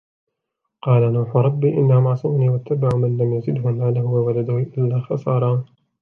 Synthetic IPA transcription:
qɑːlanuːħʊɾˤɑbːiːʔɪnːahʊmɑʕsˤɨmniːwat̪ːabaʕʊmanlamjazɪd̪hʊnːaːlahʊwawalad̪ʊhʊʔɪlːaːxɑsˤɑːɾˤɑ

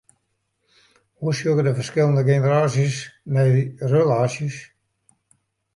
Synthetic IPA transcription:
husjukədəfərskɪlˠəndəɡenəɾaːsjəsmɛjrəlaːsjəs

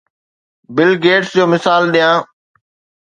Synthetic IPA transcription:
bɪlɡeːʈsd͡ʑoːmɪsaːlɗijãː

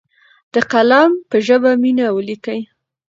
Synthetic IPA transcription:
d̪̥əqalɑmpəʒəbaminawəlikəj

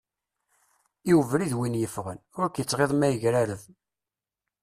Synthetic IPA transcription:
iwəvɾiðwinjəfʁənʊɾkjət͡sːʁeðˤmæjəʝɾaɾəð

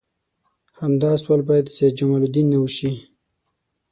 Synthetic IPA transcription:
hamd̪ɑswalbɑjad̪sed͡ʒamalud̪inːawəʃi

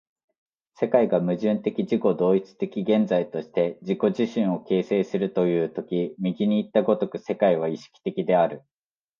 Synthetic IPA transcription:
se̞kaiɡamɯ̟ʑɨ̃nt̪e̞kʲiʑiko̞d̪o̞ːit͡sɨ̥t̪e̞kʲiɡẽ̞nd͡zait̪o̞ɕi̥t̪e̞d͡ʑiko̞ʑiɕĩɰ̃o̞ke̞ːse̞ːsɨɾɯ̟t̪o̞jɯ̟ːt̪o̞kʲimʲiɡʲiɲ̟iːt̪ːaɡo̞t̪o̞kɯ̟se̞kaiβ̞aiɕi̥kʲi̥t̪e̞kʲid̪e̞aɾɯ̟

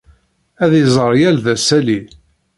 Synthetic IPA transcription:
æðjizˤəɾˤjælðæsæli

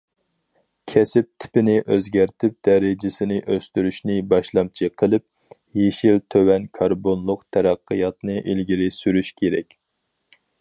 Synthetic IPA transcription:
kʲʰɛsɪp̚t̪ʰɪ̥pɪnɪʔøzɡʲæɾt̪ʰɪp̚d̪̥ɛɾɪd͡ʒɪsɪnɪʔøst̪yɾyʃnɪbɑʃlˠɑmt͡ʃʰiqʰəlˠɨp̚ | jeʃilt̪ʰøwɛnkʰɑɾbonlˠʊqt̪ʰɛɾæqːəjɑt̪nɨʔilɡʲiɾɪsyɾyʃkʲʰeɾɛ̰kʲ

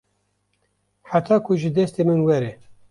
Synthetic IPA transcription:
ħat̪ʰɑːkʰʊʒɨd̪ɛst̪eːmɨnwɛɾɛ

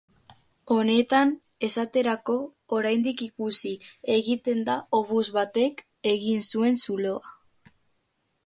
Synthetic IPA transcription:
o̞ne̞t̪an | e̞sat̪e̞ɾako̞ːɾajnd̪ikikusie̞ɣit̪e̞nd̪aoβuzβat̪e̞k | e̞ɣinsue̞nsulo̞a

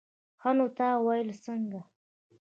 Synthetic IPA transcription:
xanot̪ɑwajlsəŋɡa

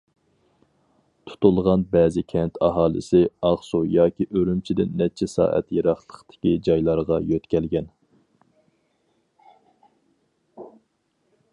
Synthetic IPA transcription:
t̪ʰu̥t̪ulˠʁɑnbɛːzɪkʲʰɛnt̪ʰɑɦɑːlˠɨ̰sɪɑʁsujɑːkʲiʔøɾymt͡ʃʰid̪ɪnːɛt͡ʃʰɛsɑ̰ːʔɛ̰t̪jeɾɑχlˠəqt̪ʰɪ̥kʲid͡ʒɑjlˠɑɾʁɑjøt̪kʲʰɛlɡʲɛn

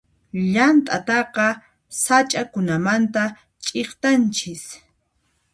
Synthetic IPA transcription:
ʎant̪ʼat̪ɑqɑ | sat͡ʃʼakʊnamant̪a | t͡ʃʼeχt̪ant͡ʃɪs

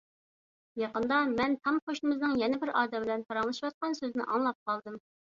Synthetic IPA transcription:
jɑqənd̪ɑmɛnt̪ʰɑmχoʃnɨmɨznɨŋjɛnɪbɪɾɑːd̪ɛmbɪlɛnp̪ʰɑɾɑŋlˠɨʃiwɑt̪̚qɑnsøznɪ̰ʔɑŋlˠɑp̚qʰɑlˠd̪ɨm

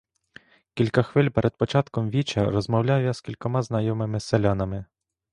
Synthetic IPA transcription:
kʲilʲkɐxʋɪlʲpɛɾʔɛd̪̚pɔt͡ʃɑt̪kɔmʋʲit͡ʃɐɾɔzmɔwlʲawjaskʲilʲkɔmɑznɐjɔmɪmɪselʲanɐmɪ

